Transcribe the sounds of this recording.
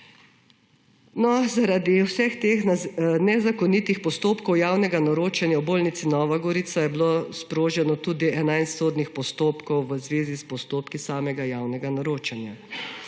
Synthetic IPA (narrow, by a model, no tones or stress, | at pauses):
nɔzaɾad̪iwsɛxt̪eːxnnɛzakɔnit̪ixpɔst̪oːpkɔwjaːwnɛɡanɔɾoːt͡ʃanjawboːlnit̪sinɔːʋaɡɔɾit̪sajɛblospɾoːʒɛnɔt̪uːd̪iɛnajst̪soːd̪nixpɔst̪oːpkɔwʋəzʋeːzispɔst̪oːpkisaːmɛɡajaːwnɛɡanɔɾoːt͡ʃanja